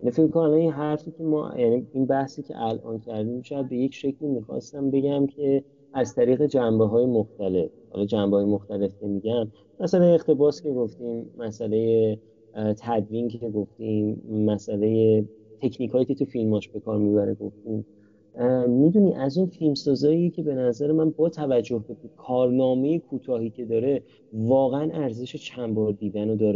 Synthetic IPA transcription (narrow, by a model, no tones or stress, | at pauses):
jjænifecmikonælɒinɦæɾfiːcʰe̞mɒ̰ːjæniinbæhsiːcʰe̞̰ʔælʔɒ̰ːncʰæɾd̪iːmʃɒjæd̪̚be̞je̞cʰʃe̞cʰlimixɒ̰st̪æmbe̞ɟæmcʰe̞ | æzt̪ʰæɾiːɣe̞d͡ʒæmbeɦɒːje̞moxt̪æle̞fhɒ̰lɒd͡ʒæmbehɒːjemoxt̪æle̞fcemiɟæn | mæsælejeeχt̪e̞bɒːsce̞ɡoft̪imːæsæle̞je | t̪ʰæd̪viːncʰe̞ɡoft̪imːæsæle̞je̞ | t̪ʰe̞cʰniːkʰɒːjiːcʰe̞t̪ʰufilmɒʃb̥e̞kʰɒːɾmibæɾeɡo̞ft̪im | mid̪uniʔæzunfilmsɒːzɒːiecʰe̞be̞næzæɾe̞mænbɒːt̪ʰævæd͡ʒːohbebe̞kʰɒːɾnɒːme̞jekʰuːt̪ʰɒːɦiːcʰe̞d̪ɒːɾe̞ | vɒːɣeænʔæɾze̞ʃe̞t͡ʃʰæmbɒɾd̪iːd̪ænod̪ɒːɾe